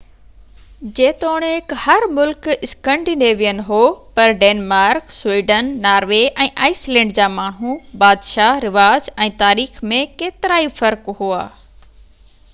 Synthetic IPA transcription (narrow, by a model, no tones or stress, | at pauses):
d͡ʑeːt̪oːɽ̃khɐɾmʊlkɪskə̃ɳɖineːʋijənɪ̆ɦoːpɐɾɖeːnmaːɾkswiːɖənːaːɾʋeʔɛ̃ːʔaːislɛ̃ːɳɖd͡ʑaːmaːɳ̤̃ũbaːd̪ʃaɾɪʋaːd͡ʑɛ̃ːt̪aːɾiːxmẽkeːt̪ɪɾaːifɐɾkɦuaː